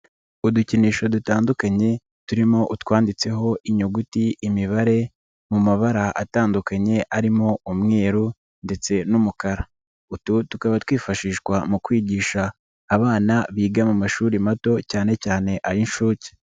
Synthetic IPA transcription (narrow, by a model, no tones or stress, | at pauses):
uduciniːʃo̞dutaːndukaɲe̞ | tuɾimo̞ʔutwaːndit͡se̞ɦo̞ʔiɲoɡutiʔːmiβaɾe̞ | mumaβaɾaʔa̰taːndukaɲe̞ʔaɾimo̞umŋe̞ːɾu | nde̞t͡se̞numukaɾa | ututukaβatwiːfaʃiːʃkwamukwiːɟiːʃaː | βaːnaβiːɡamumaʃuːɾimato̞caːne̞caːne̞ʔaɾinʃuːci̥